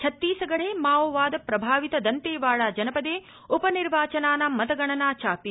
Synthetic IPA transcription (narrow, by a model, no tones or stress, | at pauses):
t͡ʃʰɐt̪ːiːsɐɡɐɽ̤eːmaːoʋaːd̪ɐpɾɐbʱaːʋit̪ɐd̪ɐnt̪eːʋaːɭaːd͡ʒɐnɐpɐd̪eː | upɐniɾʋaːt͡ʃɐnaːnɐmɐt̪ɐɡɐɳɐnaːt͡ʃaːpi